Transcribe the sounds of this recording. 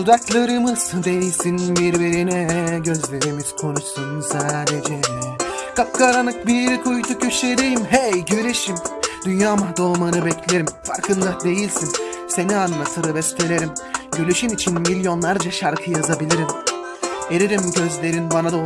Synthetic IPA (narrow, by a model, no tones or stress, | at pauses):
t̪ud̪aklˠaɾɯmɯz̥d̪e̞jilʲsinbiɾbiɾinɛɟø̞zlʲe̞ɾimiz̥kʰo̞nuʃsunsaːd̪ed͡ʒɛ | kʰap̚kʰaɾanɯk̚biɾikʰujt̪ʰucʰøʃleɾejimɦɛjɟøɾeʃimd̪̥ynjaːmad̪o̞ːmanɯbɛcʰlʲeɾimfa̰ɾkʰɯnd̪ad̪e̞jilʲsin | se̞nianlˠat̪ʰɯɾɯbɛst̪elʲeɾimɟølʲyʃynit͡ʃʰinmilʲjo̞nlˠaɾd͡ʒaʃaɾkʰɯjazabilʲiɾim | eɾeɾimɟø̞zlʲe̞ɾinbanad̪ao